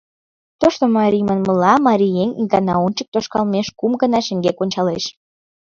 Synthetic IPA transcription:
t̪oʃt̪omɑɾʲijmənmə̆lɑmɑɾʲijenʲɡɑnɑ̰ont͡ɕək̚t̪oʃkɑlmeʃkumɡənɑʃə̆ŋɡekonʲt͡ɕɑleʃ

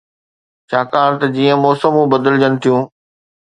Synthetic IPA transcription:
t͡ɕaːkaːɾt̪ɐd͡ʑiːə̃mɔːsəmũbɐd̪əld͡ʑənɪ̆t̪ʰijũː

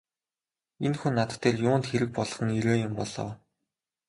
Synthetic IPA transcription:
enxunːat̪ə̥̆t̪ʰːeːrjʊːnt̪xeɾɘ̆k̚pɔɮ̆χɞ̆neɾoːjʊmpɔɮɔ̰̆ːw

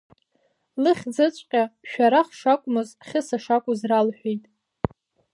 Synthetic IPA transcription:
lɨχʲd͡zɨt͡ʃʷʼqʲʼaʃᶣaɾaχʂakʷʼʊmɨzχʲɪsaʂakʷʼʊzralħʷᶣejtʼ

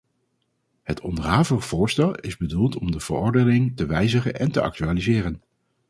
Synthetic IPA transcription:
hətɔndərɦaːvəχv̥ʊːɹstɛlˠɪzbədulˠtʰɔmdəv̥ərɔɹdənɪŋtəʋɛjzəχənʔɛntəʔɑ̰k̚tyaːlizɪːrən

